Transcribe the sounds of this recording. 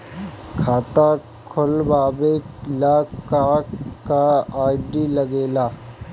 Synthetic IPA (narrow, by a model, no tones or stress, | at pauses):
kʰaːt̪a | kʰʊlbaːbelaːkaːkaaːɪɖiːləɡeːlaː